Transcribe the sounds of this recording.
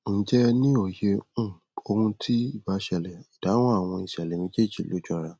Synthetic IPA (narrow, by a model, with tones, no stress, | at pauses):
n̩˨˦d͡ʒɛ˦nĩ˦o˨je˧ũ˦˨ | o˧hũ˧tʰi˦i˦˨ba˨˦ʃɛ˧˨lɛ˨i˨d̥a˨˦w̃ɔ̃˦a˦˨w̃ɔ̃˧i˨ʃɛ˨lɛ˨nĩ˨˦d͡ʒe˦˨d͡ʒi˨lo˨˦d͡ʒɔ˧˦˨ɾa˧